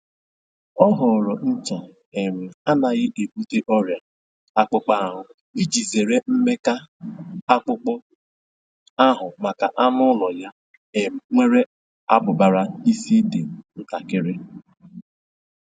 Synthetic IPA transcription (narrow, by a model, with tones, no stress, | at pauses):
ɔ˦ɦʊ˨ɾɔ˨n̩˦t͡ʃa˨ | e˨me˨a˦na˨ɣɪ˦ʔe˨bu˦te˦ʔɔ˦ɾja˨ | a˦k͡pʊ˦k͡pa˦a˦˨ɦʊ˨ | i˦d͡ʒi˨ze˨ɾe˦m̩˦me˦ka˦ | a˦k͡pʊ˦k͡pɔ˦ | a˦ɦʊ˨ma˨ka˨ʔa˦mʊ˦lɔ˨ja˦ | e˨ŋʷe˦ɾe˦ | a˦bʊ˨ba˨ɾa˦i˦si˦de˨n̩˦ta˨kɪ˦ɾɪ˦